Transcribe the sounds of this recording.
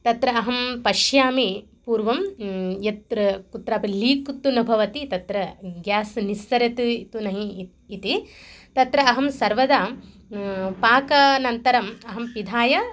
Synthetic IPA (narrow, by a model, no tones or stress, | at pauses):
t̪ɐt̪ɾɐɐɦɐmpɐʃjaːmipuːɾʋɐmjɐt̪ɾɐkut̪ɾaːpɐliːkt̪ːunɐbʱɐʋɐt̪it̪ɐt̪ɾɐɡjaːsnist̪ɐɾɐt̪ɨt̪unɐɦiː | t̪it̪ɐt̪ɾɐɐɦɐmsɐɾʋɐd̪aː | paːkɐnɐnt̪ɐɾɐmɐɦɐmpid̪ʱaːjɐ